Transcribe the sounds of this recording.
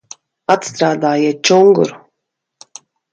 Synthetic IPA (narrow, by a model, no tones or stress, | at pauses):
at̪st̪ɾaːd̪aːjiɛt̪̚t͡ʃuŋɡṵɾ